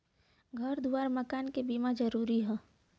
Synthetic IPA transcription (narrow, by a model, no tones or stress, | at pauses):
ɡʱɐɾd̪ʱuaːɾmɐkaːnkebiːmad͡ʒɐɾuːɾiɦɛ̃ː